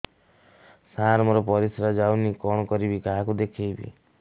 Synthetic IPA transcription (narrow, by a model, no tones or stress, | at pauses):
sãɾmɔɾɔpɔɾisɾad͡ʒawnikɔɽ̃ɔkɔɾibikaɦakud̪ekʰejbḭ